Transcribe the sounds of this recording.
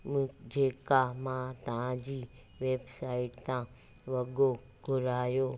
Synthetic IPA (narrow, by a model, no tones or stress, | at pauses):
d͡ʑeːkamãt̪ɐʋ̤ãd͡ʑiː | ʋeːbsaːɪʈt̪ã | ʋɐɠo | ɡʱʊɾaːjoː